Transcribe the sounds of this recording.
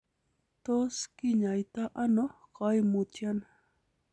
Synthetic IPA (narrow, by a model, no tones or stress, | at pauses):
t̪oskɪɲajt̪aʔanoɢɑjmʊt̪jan